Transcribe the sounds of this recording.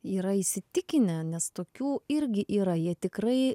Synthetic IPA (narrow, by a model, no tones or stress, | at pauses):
iːɾɐisʲɪt̪ʲɪkʲɪnʲɛnʲɛst̪oːkʲuːɪɾʲɡʲɪʔiːɾɐjiɛt̪ʲɪkɾɐɪ